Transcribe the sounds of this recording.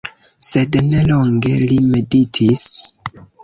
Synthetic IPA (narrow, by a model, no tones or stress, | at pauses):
se̞dneloŋɡe̞lime̞ditʰis